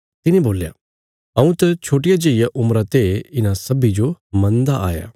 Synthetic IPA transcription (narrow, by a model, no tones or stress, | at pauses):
t̪ɪnẽboːlja̰ | ɐũt̪ɐt͡ʃʰoːʈ̬ɪjad͡ʒeːɪjaʔʊmɾat̪eɪnãsɐbid͡ʒomɐ̃nd̪aʔa̰ːja̰ː